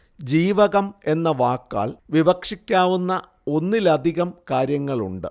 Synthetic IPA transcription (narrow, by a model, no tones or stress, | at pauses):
d͡ʑiːʋɐɣɐme̞nːɐʋaːkːa̰ːɭʋiʋɐkʂikʲːaːʋunːɐ | o̞nːilɐd̪ʱiɣɐmkaːɾjɐŋːɐɭṵɳɖɨ